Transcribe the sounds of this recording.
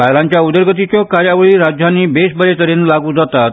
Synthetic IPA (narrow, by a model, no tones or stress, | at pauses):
pajlãɲt͡ɕjaud̪əɾɡət̪̬it͡ɕɔkaɾjaʋəɭiːɾad͡ʑjanːiːbesbəɾet̪əɾenlaɡuːd͡zat̪at̪̚